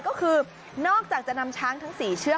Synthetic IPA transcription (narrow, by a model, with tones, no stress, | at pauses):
kɔː˦˥kʰɯː˧ | nɔː˥˩k̚t͡ɕaː˨˩k̚t͡ɕa˨˩na˧mt͡ɕʰaː˦˥ŋt̪ʰa˦˥ŋsiː˨˩t͡ɕʰɯ˦˥˩ə